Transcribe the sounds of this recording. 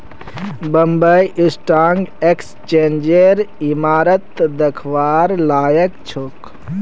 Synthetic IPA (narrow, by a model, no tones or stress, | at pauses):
bəmbəjʔɪsʈaːŋɡekst͡ʃeːnd͡ʒeɾimaːɾət̪d̪əkʰʋaːɾlaːjəkt͡ʃʰok